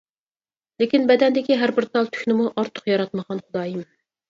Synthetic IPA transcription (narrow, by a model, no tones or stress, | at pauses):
lɪkʲinbɛd̪ɛnd̪ɪkʲiɦæɾbɪɾt̪ʰɑlˠt̪ʰy̥kʲnɪmuʔɑɾt̪ʰʊ̥qjɑɾɑt̪məʁɑnχʊd̪ɑːjim